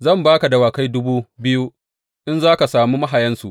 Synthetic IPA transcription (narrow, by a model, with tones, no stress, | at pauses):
zɐ˦˨mbaː˦ka˨da˨waː˨ka˦jdʊ˦buː˦bɪ˦ju˦ | ʔɪ˦nzaː˦ka˨saː˨muː˦ma˦ɦa˨jɐ˦nsu˨ʔ